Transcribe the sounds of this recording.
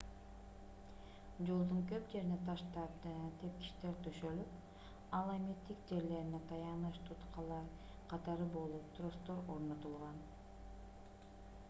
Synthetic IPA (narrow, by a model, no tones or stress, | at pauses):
d͡ʒo̞lˠd̪uŋkøpd͡ʒe̞ɾinet̪ʰɑʃt̪ɑp̚t̪ʰe̞p̚kʲi̥ʃt̪e̞ɾt̪ʰøʃø̞lyp | ɑlˠamit̪ːik̚d͡ʒe̞ɾle̞ɾinet̪ʰɑjɑnɯʃt̪ʰut̪qɑlˠɑɾ | qʰɑt̪ɑɾɯbo̞lˠup̚t̪ro̞st̪o̞ɾo̞ɾno̞t̪ulˠʁɑn